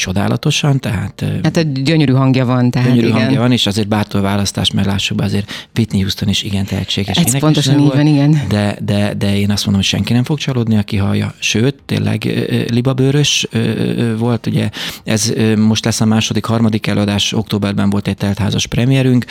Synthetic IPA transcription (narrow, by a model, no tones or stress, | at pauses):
t͡ʃo̞d̪a̰ːlɒ̰t̪o̞ʃɒnt̪ɛɦa̰ːt̪ːhat̪ɟøɲøɾyɦɒŋɡjɒvɒnt̪ɛɦaøɲøɾyŋnɡjɒvɒneːʃɒzeːrbaːt̪olvaːlɒst̪a̰ːʃmɛɾlaːʃːuɡbɛɒzeːrvit̪nihuːst̪oniʃiɡɛnt̪ɛɦɛ̰t͡ʃːeːɡeʃiɛpont̪oʃioniɡɛnd̪ɛd̪ɛd̪ɛeːnɒst̪mond̪omocʃɛ̰ŋkinɛmfo̞kt͡ʃɒloːd̪niɒkiɦɒjːɒ̰ʃøːt̪ːḛːlːɛ̰ɡlibɒbøːɾøʃøːvo̞lt̪uɟɛɛzmo̞ʃt̪lɛsːɒmaːʃo̞d̪ikhɒrmɒd̪ikɛløːɒd̪aːʃo̞k̚t̪oːbɛrbɛɱvo̞lt̪ɛc̚t̪ɛlt̪ha̰ːzɒʃprɛmijɛɾyŋk